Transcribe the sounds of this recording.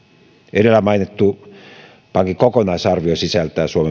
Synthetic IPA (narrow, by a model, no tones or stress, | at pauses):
edelːæmɑinet̪ːu | pɑŋkikokonɑisɑrʋiosisælt̪æsuome